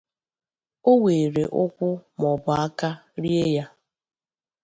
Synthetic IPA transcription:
o˦we˨ɾe˨ʔʊ˦kʷʊ˦mɔ˨bɔ˨a˦ka˦ɾi˦e˦ja˦

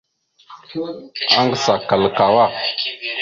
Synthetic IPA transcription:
a˦ŋɡə˦sa˨ka˨lka˨wa˦˨

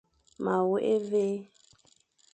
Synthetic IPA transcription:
ma˨wu˦ʔe˦ve˦

